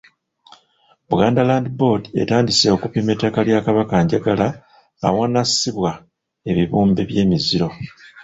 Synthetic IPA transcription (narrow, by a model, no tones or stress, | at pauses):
βuɡaːndalaːndibo̞de̞̰taːndise̞o̞kupime̞takaljakaβakaɲɟaɡala̰ː | wanasiβwa | e̞βiβuːmbeβje̞ːmiziɾo̞